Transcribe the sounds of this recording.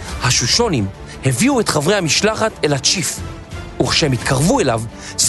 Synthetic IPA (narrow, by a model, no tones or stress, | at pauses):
haʃuʃo̞nim | heviuetχavʁejhamiʃlaχatelhat͡ʃif | uχʃehemit̪kʰaʁvue̞lav | s